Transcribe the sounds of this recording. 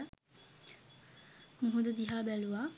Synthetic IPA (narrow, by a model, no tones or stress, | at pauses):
muɦud̪ɐd̪iɦaːbæluʋaː